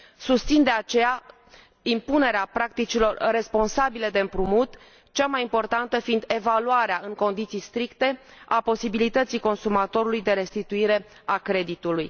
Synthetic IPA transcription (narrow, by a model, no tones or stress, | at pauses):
sust̪sind̪e̞at͡ʃe̞ja | impune̞ɾeapɾakt̪it͡ʃilo̞rre̞spo̞nsabile̞d̪e̞ɨmpɾumut̪ | t͡ʃamajimpo̞rt̪ant̪əfind̪e̞valuaɾeaɨŋko̞nd̪it̪sijst̪ɾikt̪e̞ | apo̞sibilit̪ət̪sijko̞nsumat̪o̞ɾulujd̪e̞ɾe̞st̪it̪uiɾe̞ | akɾe̞d̪it̪uluj